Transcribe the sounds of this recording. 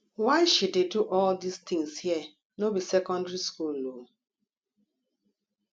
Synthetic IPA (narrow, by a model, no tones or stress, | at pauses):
waɪʃuddeduʔɔldistĩŋshiɛ | nobisɛkɔ̃ndɹiskulo